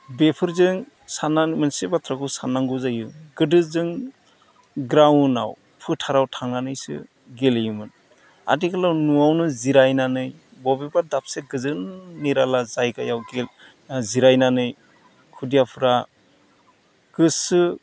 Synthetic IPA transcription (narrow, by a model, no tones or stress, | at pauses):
bepʰɯɾzɯŋ | sananmɯnsebatʰɾakʰɯsanːaŋɡuzajɯɡɯdɯzɯŋ | ɡɾawna̰w | pʰɯtʰaɾawtʰaŋnanɯjsɯ̰ | ɡelejɯmɯn | a̰diɡalawnuawnɯziɾajnanɯjbɔbibadap̚seɡɯzɯnːiɾalazajɡajawɡe | ziɾajnanɯj | kʰudijapʰɯɾa | ɡ̥ɯsɯ